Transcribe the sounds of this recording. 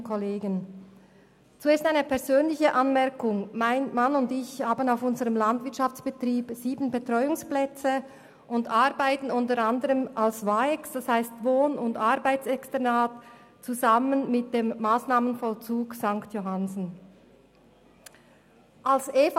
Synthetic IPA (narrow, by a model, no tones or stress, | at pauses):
kʰɔleːɡən | t͡sueːstaɪnəpɛʁzøːnlɪçəʔɑnmɛɐkʊŋmaɪnmanʊndɪçhaːbənaʊfʊnzəʁəmlandv̥ɪt͡ʃʃaft͡sb̥ətʁiːbz̥iːbən̩bətʁ̥ɔʏʊŋsplɛt͡sə | ʔʊndʔɑʁbaɪtn̩ʊntəʁandəʁəmʔalsvaːɛksd̥ashaɪstvoːnʊndɑʁbaɪt͡sɛkstɛnaːt | t͡suzamənmɪt̚d̥eːmːaːsnaːmənfɔlt͡suːksaŋktjoɦanzn̩ | ʔalseːf